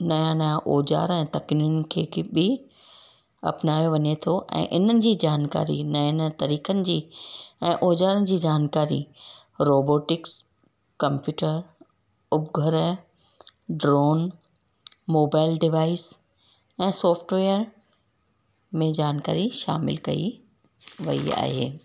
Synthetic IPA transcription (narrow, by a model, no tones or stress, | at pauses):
nɐjãnaʔoːd͡ʑa̰ːɾɛ̃ːt̪ɐknʊnɪ̆kʰeːkebɪ | ɐ̰pnaːjoʋɐɲet̪ʰoʔɛ̰̃ːʔɪn̤ənɪ̆d͡ʑiːd͡ʑaːnka̰ːɾḭnɐnt̪ɐɾiːkənɪ̆d͡ʑiːɛ̃ːʔoːd͡ʑaːɾənɪ̆d͡ʑiːd͡ʑaːnkaːɾḭ | ɾoːboːʈɪks | kɐ̃mpjuːʈəɾ | ʊbɡʱəɾə | ɖɾoːn | moːbaːɪlɖɪʋaːɪs | ɛ̃ːsɔːfʈʋeːəɾ | mẽd͡ʑaːnka̰ːɾiʃaːmɪ̰lkɐḭ | ʋɐ̰ḭa̰ːɦḛː